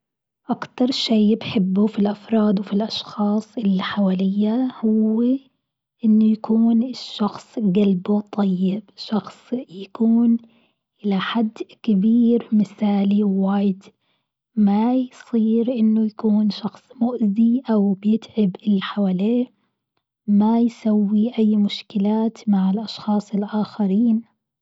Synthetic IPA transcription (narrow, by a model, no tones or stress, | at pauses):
ʔakt̪ɑɾˤʃeːbħɪbːʊfilʔɑfɾˤɑːd̪wɪfilʔɑʃxɑːsˤʔɪlːiħawaːlɪjːahʊwː | ʔɪnːʊjakuːnɪʃːɑxsˤɡalbut̪ˤʰɑjːɪbʃɑxsˤjakuːn | ʔɪlaħad̪ːkɪbiːɾmɪθaːliwwaːjd̪ | majsˤiːɾʔɪnːʊjakuːnʃɑxsˤmʊʔziʔawbjɪt̪ʕɪbʔɪlːħawaːleː | majsawːiʔajːmʊʃkɪlaːt̪maʕɪlʔɑʃxɑːsˤɪlʔaːxaɾiːn